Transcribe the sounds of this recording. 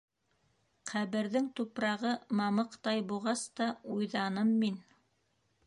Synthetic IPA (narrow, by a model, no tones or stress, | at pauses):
qæβɘ̆ɾðɘŋt̪upɾɑʁɤmɑmɤqt̪ɑjbuʁɑst̪ɑujðɑnɤmːin